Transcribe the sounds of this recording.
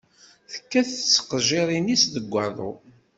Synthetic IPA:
θə̥kːæθt͡sːə̥qʒɪɾˤinisðəɡʷːɑðˤo̰

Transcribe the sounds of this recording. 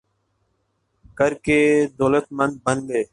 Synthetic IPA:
kəɾkeːd̪oːlət̪mənd̪̚bənleː

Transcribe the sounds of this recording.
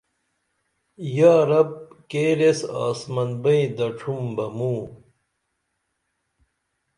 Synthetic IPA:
jaːɾɐb̚keːɾesa̰ːsmɐnbɐĩd̪ɐʈ͡ʂʰumbɐmuː

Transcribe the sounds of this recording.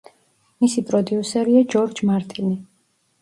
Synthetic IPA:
misipʼɾɔd̪iusɛɾiad͡ʒɔɾd͡ʒmaɾt̪ʼini

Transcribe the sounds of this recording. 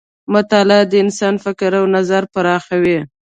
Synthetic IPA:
mʊt̪ɑlad̪əɪnsɑnfɪkɪɾawnazaɾpaɾɑxawi

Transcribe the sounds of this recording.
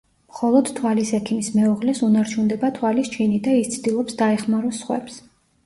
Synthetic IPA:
mχɔlˠɔd̪̥t̪ʰwalisɛkʰimismɛuʁlɛsunaɾt͡ʃʰund̪ɛbat̪ʰwalist͡ʃʰinid̪aist̪sʰd̪ilˠɔpsd̪aɛχmaɾɔsːχwɛ̰ps

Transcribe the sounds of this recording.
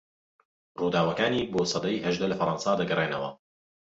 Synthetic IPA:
ruːd̪aːwɐkaːniːboːsˤɑd̪ɐjɦɐʒd̪ɐlɐfɐɾˤɑnsaːd̪ɐɡɐrˤeːnɐwɐ̰

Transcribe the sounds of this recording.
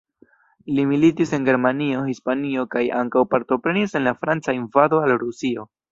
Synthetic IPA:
limilitise̞nɡe̞ɾmanio̞hispanio̞kaja̰ŋkawpaɾto̞pɾe̞nise̞nlafɾant͡sainvado̞alɾusio̞

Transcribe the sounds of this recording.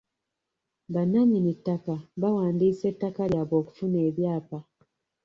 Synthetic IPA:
banaɲinitːakaβawaːndiːse̞tːakaljaːβo̞ːku̥fune̞ːβjaːpa

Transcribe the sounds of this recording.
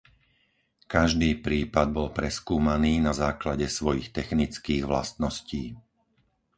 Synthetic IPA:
kaʒd̪iːpɾiːpad̪̚bɔlpɾɛskuːmaniːnazaːklaɟɛsʋɔjixt̪ɛxnit͡skiːɣʋla̰st̪nɔsciː

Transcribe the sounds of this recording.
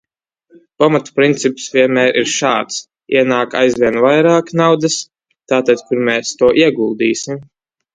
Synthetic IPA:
pamat̪u̥pɾint̪sipsvʲiɛnmæːɾʔiɾʃaːt̪s | iɛnaːka̰jzvʲiɛnvajɾaːknawd̪ɨs | t̪aːt̪ad̪kuɾmɛːst̪uɔʔiɛɡulˠd̪iːsim

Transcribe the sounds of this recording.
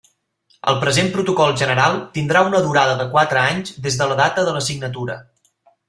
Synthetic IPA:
ə̰lˠpɾəzempɾut̪ukɔlˠʒənəɾalˠt̪ind̪ɾaunəðuɾað̞əðəkwat̪ɾəaɲzd̪ezðələðat̪əðələsiɡnət̪uɾə̰

